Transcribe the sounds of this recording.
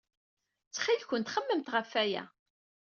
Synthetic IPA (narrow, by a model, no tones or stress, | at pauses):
t͡sːχilçənt̪χəmːəmt̪ʁəfːæjæ̰